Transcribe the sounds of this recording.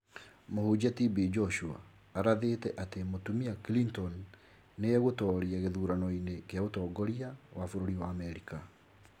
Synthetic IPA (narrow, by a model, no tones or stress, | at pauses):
mohud͡ʑatibid͡ʒɔʃua̰ː | ɾaðetɛʔatemotumiakilintɔnː | eɛɣotɔːɾiaɣeðuːɾanɔinekeaotɔɡɔɾiawafoɾoɾiwaːmɛɾika